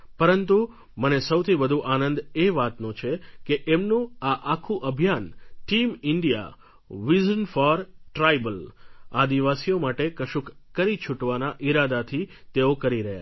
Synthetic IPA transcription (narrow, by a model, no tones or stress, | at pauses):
pəɾənt̪u | mənesəwt̪ʰibəd̪ʱuʔanə̃nd̪eʋat̪nõt͡ʃʰekeʔemnũaʔakʰũʔəbʱjanʈimɪɳɖija̰ | ʋizənfɔɾʈɾajbəlad̪iʋasijomaʈekəʃukːəɾit͡ʃʰʊʈʋanaʔiɾad̪at̪ʰi | t̪eokəɾiɾəɦa̰